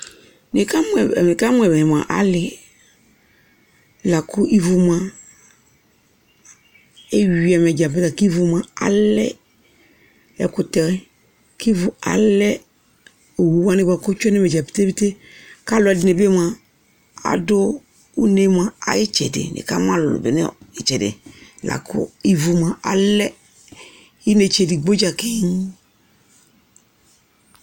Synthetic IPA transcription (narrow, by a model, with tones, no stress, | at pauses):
nɪ˨ka˦m˦ɛ˨me˨ka˦mʊ˦ɛ˨bɛ˨ɪ˨m˨a̰˨ʔa̰˨˦lɪ˨ | la˨kʰʊ˦ʔi˦vu˨m˦a˦ | e˦ɥi˨a˨m˨ɛ˨d͡ʒa˨pɪ˦ta˨ki˦vʊ˨m˨a˨a̰˦lɛ̰˦ | ɛ̰˨kʊ˨ta˨˦ | ki˦vʊ˨a̰˨lɛ˦ | o˨wu˨˦wa˦nɪ˦ba˨kʊ˦t͡ʃɔ˦nɛ˦mɛ˨d͡ʒa˨pi̥˨˦te˦bi˦te˦ | ka˦lʊ˨˦a˨dɪ˨ne˨be˦ma˨ | a̰˨dʊ˦ | u˦ne˦ma˨a̰˨jɪ˦t͡ʃɛ̰˨dɪ̰˨nʔɪ̰˨ka˦m˦a˦lʊ̰˨bɪ̰˨nɛ̰˦ɪ˨t͡ʃɛ˨dɪ̰˨la̰˨kʰʊ̰˦i˦vu˨ma˨ʔa˨lɛ˦ | i˦ne˨t͡ʃe˨di˨ɡ͡bo˦d͡ʒa˨ke˦ɲ